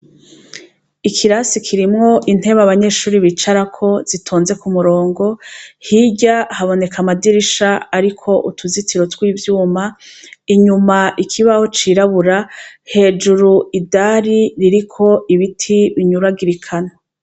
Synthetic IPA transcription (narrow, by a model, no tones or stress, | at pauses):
ikʰiɾasikʰiɾimŋo̞ʔin̥he̞βaβaɲe̞ʃuːɾiβit͡ʃaɾakʰo̞z̥itʰoːnze̞kumuɾo̞ːŋɡo̞hiɟahaβo̞ne̞kʰamadiɾiʃaaɾikʰo̞ʔutʰuzitiɾo̞twiːvjuːmaiɲumaʔikʰiβaho̞t͡ʃiɾaβuɾahe̞ːd͡ʒuɾuidaːɾiɾiɾikʰo̞iβitʰiβiɲuɾaɡiɾikʰano